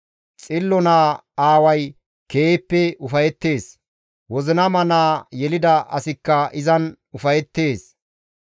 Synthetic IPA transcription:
t͡sʼɪlːɔnaː | aːwɐj | keːpːɛʊfɐjɛt̪ːe̞ːs | wɔzɪnɐmɐnaːjɛlɪd̪ɐɐ̰sɪkːɐʔɪzɐn | ʊfɐjɛt̪ːe̞ːs

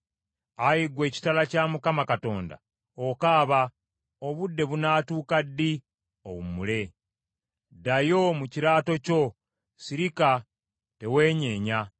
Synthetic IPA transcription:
ajiɡwe̞ːci̥talacaːmukamakato̞ːnda̰ | okaːβa | oβudːe̞βunaːtuːkadːi | o̰wumule̞ | dajo̞muciɾaːto̞co̞ | siɾika | te̞we̞ːɲe̞ːɲa

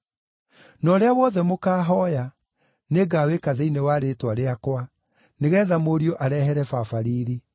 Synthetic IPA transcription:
nɔɾeawɔðɛmokaːɦɔja | neɡaːwekaðeinewaɾetwaɾeakwa | neɣɛːðamoɾioʔaɾɛɦɛɾɛfafaɾiːɾi

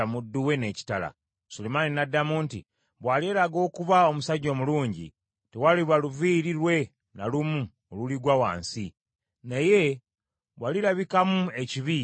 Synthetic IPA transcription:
amudːuwe̞ne̞ːci̥tala̰ | sulemaninadːamuːnti | βwalie̞ːɾaɡo̞ːkuβao̞musaɟːo̞ːmuluːɲɟḭ | tewaliβaluviːɾiɾwe̞ | nalumu | oluliɡwawa̰ːnsi | naje̞ | βwaliɾaβikamue̞ciβi

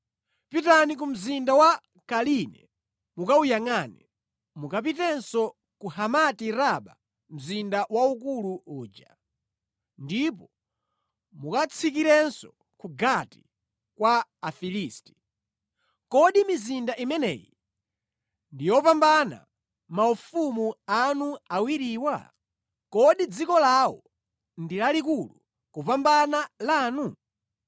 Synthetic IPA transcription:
pitanik̬um̩zindawa | kalinɛ̰ | mukaujaŋanḭ | mukap̬itɛnsɔ | kuhamatiɾaɓa | m̩zindawaukuluuːd͡ʒa | ndip̬ɔ | mukat͡sʰikiɾɛnsɔ | kuɡati | kwaːfiliːsti̥ | kɔɗimizindaʔimɛnɛ̰ːjḭ | ndijɔpambana̰ | maufumuanuawiɾiːwa̰ | kɔɗid͡zikɔlawɔ̰ | ndilalikulu | kupambanalaːnu

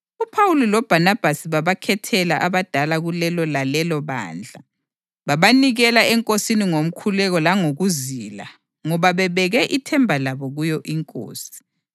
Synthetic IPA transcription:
upʰawulilɔb̥ʱanab̥ʱasiβaβakʰɛtʰɛlaʔaβad̥ʱalaɣulɛlɔlalɛlɔβa̰ːnd͡ɮʱa | βaβaniɣɛlaɛŋkʼosiniŋom̩kʰulɛɣɔlaŋoɣuzila̰ | ŋɔβaβɛβɛɣɛʔitʰɛmbʱalaβɔɣujɔʔiŋkʼo̰ːsi̥

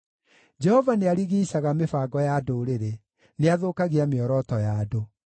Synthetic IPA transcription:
d͡ʒɛhɔvaneaɾiɣiːɕaɣamefaːɡɔjadoɾeɾe | neaðoːkaɣiameɔɾɔtɔjado

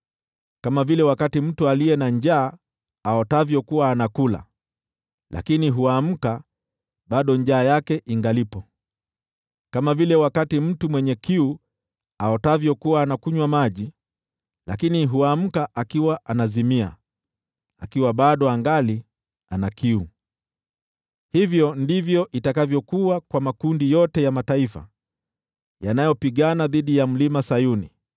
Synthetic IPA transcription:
kamavilɛwakatim̩tualiɛnaɲd͡ʒaː | aɔtavjɔkuwaːnakula̰ | la̰kiniɦuam̩ka | ɓaɗɔɲd͡ʒaːjakɛʔiŋɡalipɔ | kamavilɛwakatim̩tumwɛɲɛkiu | aɔtavjɔkuwaːnakuɲwamaʄi | lakiniɦuam̩kaʔakiwaʔanazimia̰ | a̰kiwaɓaɗɔaŋɡali | anakiu | hivjɔndivjɔʔitakavjɔkuwakwamakundijɔtɛjamataifa̰ | janajɔpiɠanaðiɗijam̩limasajunḭ

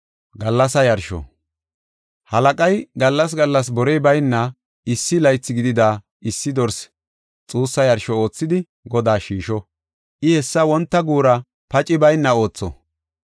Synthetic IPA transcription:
ɡɐlːɐsɐjɐɾʃɔ̰ | hɐlɐkʼɐjɡɐlːɐs̬ɡɐlːɐs̬bɔɾɛjbɐjnːɐ | ɪsːɪlɐjt͡sːɪɡɪd̪ɪd̪aː | ɪsːɪd̪ɔɾs | t͡sʼuːsːɐjɐɾʃɔo̞ːt͡sːɪd̪ɪ | ɡɔd̪aːʃiːʃɔ | ʔɪhɛsːɐwɔnt̪ːɐɡuːɾɐ | pɐt͡ʃʼɪbɐjnːɐo̞ːt͡sːɔ̰

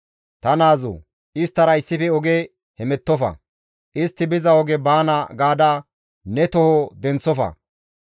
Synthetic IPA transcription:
t̪ɐnaːzo̰ | ɪst̪ːɐɾɐɪsːɪfɛɔɡe | hɛmɛt̪ːɔfɐ̰ | ʔɪst̪ːɪbɪzɐɔɡɛbaːnɐɡaːd̪a | nɛt̪ɔhɔd̪ɛnt͡sːɔfɐ̰

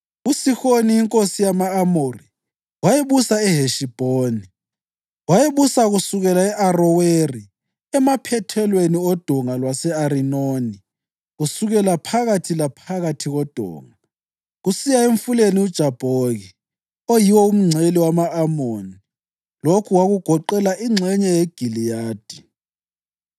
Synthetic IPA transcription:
usixoniiŋkʼosijamaːmori | wajeβusaɛɦeʃib̥ʱoːni | wajeβusaɣusuɣɛlaɛʔarɔweri | ɛmapʰɛtʰɛlweniɔd̥ʱɔŋalwasɛaɾinoni | ɣusuɣɛlapʰaɣatʰilapʰaɣatʰiɣɔd̥ʱɔ̰ːŋa | ɣusijaeɱfuleniud̥ʒ̥ʱab̥ʱoɣi | ojiwɔum̩ŋ͡ǀʱeliwamaːmoni | lokʰuwaɣuɡ̥ʱɔǃɛlaʔiŋ͡ǀʱɛɲɛjeɡ̥ʱilijaːd̥ʱi

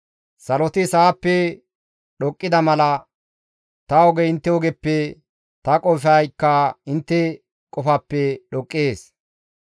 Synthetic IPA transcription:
sɐlɔt̪ɪsaːpːɛ | ɗɔkʼːɪd̪ɐmɐlɐ | t̪ɐɔɡɛɪnt̪ːɛwɔɡɛpːɛ | t̪ɐkʼɔfɐjkːɐɪnt̪ːɛ | kʼɔfɐpːɛɗɔkʼːeːs

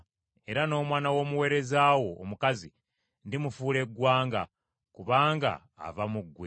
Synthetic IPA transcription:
e̞ɾano̞ːmwaːnawo̞ːmuwe̞ːɾe̞zaːwo̞̰ːmukazḭ | ndimufuːle̞ɡwaːŋɡa̰ | kuβaːŋɡa̰ːvamuɡwe

